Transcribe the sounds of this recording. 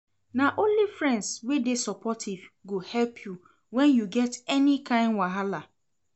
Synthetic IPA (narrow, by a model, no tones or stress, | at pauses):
naʔõnlifɹɛ̃ndswedesɔpʰɔtʰivɡohɛlpʰju | wɛ̃njuɡɛtɛnikʰãɪ̃ndwaɦala